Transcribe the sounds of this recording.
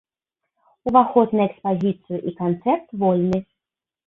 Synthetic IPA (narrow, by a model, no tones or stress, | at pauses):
uvaxɔd̪nɨɛkspazʲit̪sɨjuʔikant̪sɛrt̪vɔlʲnɨ